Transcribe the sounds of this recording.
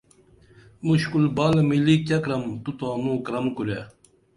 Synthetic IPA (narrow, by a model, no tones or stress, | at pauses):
muɕkulbalmilikɐkɾɐmt̪ut̪aːnukɾɐmkuɾe